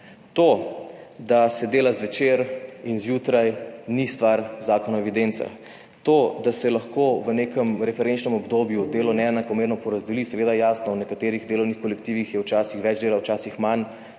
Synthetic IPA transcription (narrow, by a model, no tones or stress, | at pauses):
t̪o | d̪asɛd̪eːlazʋɛt͡ʃeːɾinzjuːt̪ɾajnist̪ʋaɾzaːkɔnɔɛʋid̪ent̪sa̰ | t̪od̪asɛlaxkoʋəneːkəmɾɛfɛɾɛnt͡ʃnɛmɔbd̪oːbjud̪eːlɔnɛɛnakɔmeːɾnɔpɔɾazd̪ɛlisɛʋeːd̪ajaːsnɔwnɛkat̪eːɾiɣd̪eːlɔwnixkɔlɛkt̪iːʋixjɛwt͡ʃaːsixʋɛd͡ʒd̪eːlawt͡ʃaːsixman